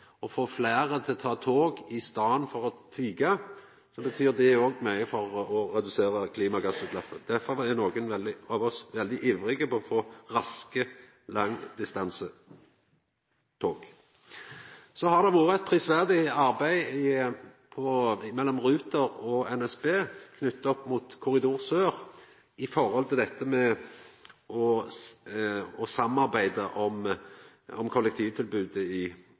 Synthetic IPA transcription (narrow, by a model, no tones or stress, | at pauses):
ɔfoːflæːʁət̪ʰɪlt̪ʰɑːt̪ʰoːɡɪst̪ɑːənfɔʁɔfʰyːɡɑ | sɔbət̪ʰyːʁd̪ɛoːɡmœʏəfɔʁɔɾɛd̪ʉseːʁəkʰliːmɑɡɑsʉːd̪lɑfəd̪̥æʁfɔʁɛnoːɡənʋɛld̪ɪɑʋɔsʋɛld̪ɪʔiʋʁɪɡəpʰɔɔfoːʁɑskə | lɑŋːd̪ɪst̪ɑnsə | t̪ʰoːɡ | sɔhɑʁd̪ɛʋuːʁəɛt̪̚pʰʁɪːsʋæʁd̪ɪɑʁbæɪ | pʰɔmɛlːɔmʁʉːt̪əʁɔɛnɛspeːkʰnʉt̪ːɔpːmuːt̪kʰʊʁɪd̪uːʁsøːʁ | ɪfɔʁhɔlt̪ɪld̪ɛt̪ːəmɛ | ɔ | ɔsɑmːɑʁbæɪd̪əʔɔm | ɔmkʰɔlːɛkt̪ʰiːʋt̪ʰɪlbʉːd̪əɪ